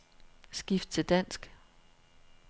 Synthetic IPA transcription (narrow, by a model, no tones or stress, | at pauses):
sɡ̥ifd̥̚t͡sʰe̝ld̥æn̰sɡ̥